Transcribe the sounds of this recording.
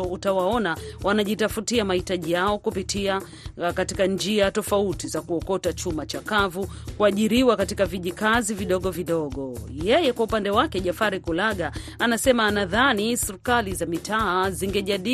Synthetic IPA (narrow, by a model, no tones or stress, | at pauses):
ɔutawaɔnawanaʄitafutiamahitaʄijaɔkupitʰia | katikand͡ʒiatɔfautizakuɔkɔtat͡ʃumat͡ʃakavukuaʄiɾiwakatikaviʄikaziviɗɔɠɔviɗɔɠɔjɛjɛkwaupandɛwakɛʄafaɾikulaɠaanasɛmaːnaðanisiɾikalizamitaːziŋɡɛʄaɗi